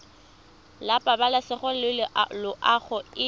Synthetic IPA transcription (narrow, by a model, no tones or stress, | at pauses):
lapʼabalasɪχʊlɪlɪʔlʊʔaχʊɪ